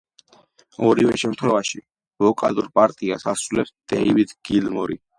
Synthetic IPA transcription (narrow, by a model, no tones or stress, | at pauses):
ɔɾivɛʃɛmt̪ʰχwɛvaʃi | vɔkʼaluɾpʼaɾt̪ʼiasasɾulɛpsd̪̥ɛivid̪ɡ̥ilmɔɾi